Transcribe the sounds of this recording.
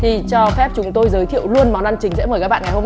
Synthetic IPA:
t̪ʰi˨˩t͡ɕɔ˧fɛ˦˥p̚t͡ɕʊ˨˦ŋ͡mt̪o˧jzəː˨˦jt̪ʰḭ˧˨wlu˧ənma˨˩na˧nt͡ɕï̟˨˦sɛ̰˧˥məː˨˩jkaː˦˥ɓaː˧˨ŋa˨˩ho˧m

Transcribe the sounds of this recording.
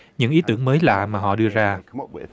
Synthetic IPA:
ɲɨ̰˧˥ŋʔi˨˦t̪ɨ̰˧˩əŋməː˨˦jla̰ː˧˨maː˨˩ɦɔ̰˧˨ɗɨ˧əzaː˧

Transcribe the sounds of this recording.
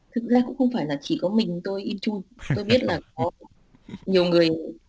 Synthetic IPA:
t̪ʰɨ˨˩k̚zaː˧kʊ̰˧˥ŋ͡mxə˧wŋ͡mfaː˧˩jlaː˨˩t͡ɕi˧˩kɔ˨˦mï˨˩ŋ̟t̪o˧jʔi˧nt͡ɕu˧jt̪o˧jɓi˦˥ət̚laː˨˩kɔ˨˦ | ɲi˨˩əwŋɨ˨˩əj

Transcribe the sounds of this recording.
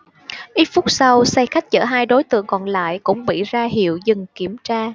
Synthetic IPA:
ʔi˦˥t̚fʊ˦˥k͡p̚sa˧wsa˧jxa˦˥jk̟̚t͡ɕə̰ː˧˩ɦaː˧jɗo˨˦jt̪ɨ̰˧˨əŋkɔ˨˩nla̰ː˧˨jkʊ̰˧˥ŋ͡mɓḭ˧˨zaː˧ɦḭ˧˨əwzɨ˨˩ŋki˧˩əmt͡ɕaː˧

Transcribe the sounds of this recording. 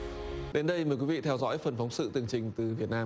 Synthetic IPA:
ɗe˨˦nɗə˧jməː˨˩jkwi˨˦vi˧˨t̪ʰɛ˧wzɔ̰˧˥jfə˨˩nfa˨˦wŋ͡msɨ̰˧˨t̪ɨ˨˩əŋt͡ɕï˨˩ŋ̟t̪ɨ˨˩vi˨˩ət̚naː˧

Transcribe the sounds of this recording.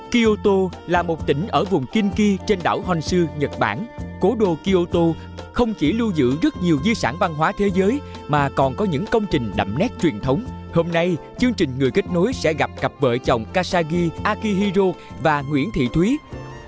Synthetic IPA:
ki˧ʔo˧t̪o˧laː˨˩mo˨˩t̚t̪ï˧˩ŋ̟ʔəː˧˩vʊ˨˩ŋ͡mki˧nki˧t͡ɕe˧nɗa̰ː˧˩whwa˨˩jŋ̟sɨ˧ɲə˨˩t̚ɓa̰ː˧˩nko˨˦ɗo˧ki˧ʔo˧t̪o˧ | xə˧wŋ͡mt͡ɕi˧˩lu˧zɨ̰˧˨zə˦˥t̚ɲi˨˩əwzi˧saː˧˩nva˧nɦwaː˨˦t̪ʰe˨˦zəː˨˦j | maː˨˩kɔ˨˩nkɔ˨˦ɲɨ̰˧˥ŋkə˧wŋ͡mt͡ɕï˨˩ŋ̟ɗa̰˧˨˩m̚nɛ˦˥t̚t͡ɕwi˨˩ənt̪ʰə˨˦wŋ͡mho˧mna˧jt͡ɕɨ˧əŋt͡ɕï˨˩ŋ̟ŋɨ˨˩jki˦˥k̟̚no˨˦jsɛ̰˧˥ɣa˨˩p̚kə˨˩p̚və̰ː˧˨t͡ɕɔ˨˩wŋ͡mkaː˧saː˧ɣi˧ʔaː˧ki˧ɦi˧zo˧vaː˨˩ŋwḭ˧˥ənt̪ʰḭ˧˨t̪ʰwi˨˦

